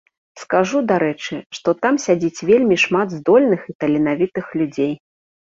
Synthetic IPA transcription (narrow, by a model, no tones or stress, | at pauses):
skaʐud̪aɾɛt͡ʂɨʂt̪ɔt̪amsʲad͡zʲit͡sʲvʲelʲmʲiʂmad̪zd̪ɔlʲnɨxit̪ɐlʲin̪avʲit̪ɨxlʲud͡zʲej